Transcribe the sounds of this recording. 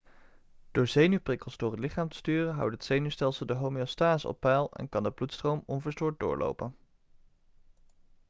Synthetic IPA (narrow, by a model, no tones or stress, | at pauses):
d̥ʊːɹzejnyprɪkəlˠzdʊːrɦətlɪχaːmtə̥styːrənɦʌ̰wtɦətsejnystɛlˠsəlˠdəɦowmiostaːzəɔ̰pːɛlˠɛ̰nkɑndəblutstrowmɔnvəɹstʊːɹt̚dʊ̰ːɹlʔo̰wpən